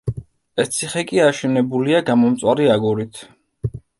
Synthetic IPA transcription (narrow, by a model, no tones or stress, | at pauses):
ɛst̪sʰiχɛkʼiaʃɛnɛbuliaɡamɔmt̪sʼwaɾiaɡuɾit̪ʰ